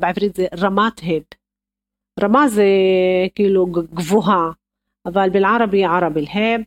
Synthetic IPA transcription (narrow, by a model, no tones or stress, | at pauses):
bʕɪfɾiːt̪zeɾˤɑmaːt̪ɦeb | ɾˤɑmaːzekiːluɡɡvuɦa | ʔavalbilʕɑɾˤɑbiʕɑɾˤɑbilheb̚